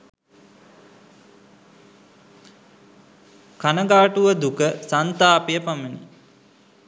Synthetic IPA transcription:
kanəɡaːʈuʋəd̪ukəsant̪aːpejəpamənḭ

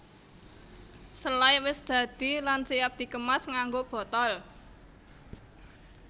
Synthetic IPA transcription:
səlajwɪsd̪̥ä̤d̪̥ilansiap̚d̪̥i̤kəmasŋaŋɡob̥ɔ̤t̪ɔl

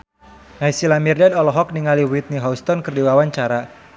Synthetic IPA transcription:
naisilamirdadɔlɔɦɔk̚niŋaliwit̪̚niɦɔust̪ɔnkərdiwawaɲt͡ʃaɾa

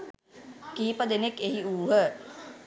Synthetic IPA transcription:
kiːpəd̪enekːeɦiuːɦə

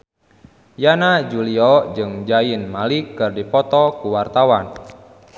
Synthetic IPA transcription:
janad͡ʒuliɔd͡ʒɨŋd͡ʒainmalikɨrdipɔt̪ɔkuwart̪awan

